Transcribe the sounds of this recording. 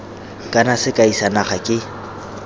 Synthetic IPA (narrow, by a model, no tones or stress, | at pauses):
kʼanasɪkʼaisanaχakʼɪ